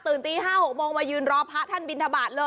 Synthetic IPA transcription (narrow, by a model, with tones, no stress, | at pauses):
t̪ɯː˨˩nt̪iː˧ɦaː˥˩ho˨˩k̚moː˧ŋmaː˧jɯː˧nɾɔː˦˥pʰa˦˥t̪ʰa˥˩nbi˧nt̪ʰa˧baː˨˩t̪̚lɤː˧